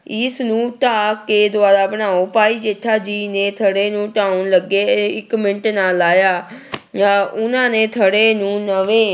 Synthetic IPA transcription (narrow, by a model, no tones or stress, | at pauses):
ɪsnũːʈaːkeːd̪ʊaːɾaːbənaːoːpaːiːd͡ʒeːʈʰːaːd͡ʒiːneːt̪ʰəɽeːnũːʈaːunləɡːeːɪkmɪɳʈnaːlaːjaː | ʊnãːneːt̪ʰəɽeːnũːnəʋẽː